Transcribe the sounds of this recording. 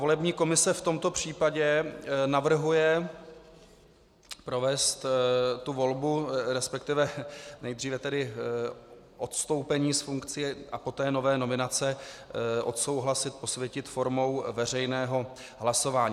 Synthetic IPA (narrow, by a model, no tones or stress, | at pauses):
vo̞lɛbɲiːko̞mɪsɛft̪o̞mt̪o̞pr̝̥iːpaɟɛnavr̩ɦujɛ | pɾo̞vɛst̪t̪uvo̞lbuɾɛspɛk̚t̪ɪvɛnɛjd̪r̝iːvɛt̪ɛdɪ | ʔo̞t̪st̪o̞wpɛɲiːsfuŋkt͡sɪjɛʔapo̞t̪ɛːno̞vɛːno̞mɪnat͡sɛʔo̞t̪so̞wɦlasɪt̪̚po̞svjɛcɪt̪fo̞ɾmo̞wvɛr̝ɛjnɛːɦo̞ | ɦlaso̞vaːɲiː